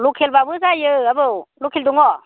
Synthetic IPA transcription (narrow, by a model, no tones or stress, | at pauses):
lukʰelbabɯsajɯabɯwlukʰeld̪uŋɔ